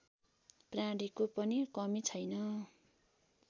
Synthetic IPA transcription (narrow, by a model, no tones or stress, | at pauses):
prãɽikopʌnikʌmit͡sʰʌjnʌ